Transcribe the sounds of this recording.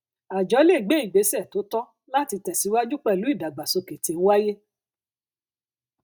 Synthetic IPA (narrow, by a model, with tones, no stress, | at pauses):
a˨d͡ʒɔ˨˦le˦˨ɡ͡be˨˦i˦˨ɡ͡be˨˦sɛ˦˨to˨˦tɔ˦ | la˦˨ti˧tɛ˨si˨˧˦wa˦d͡ʒu˦k͡pɛ˦˨lu˨˦i˦˨da˨ɡ͡ba˨so˧ke˨te˨˦wa˦je˦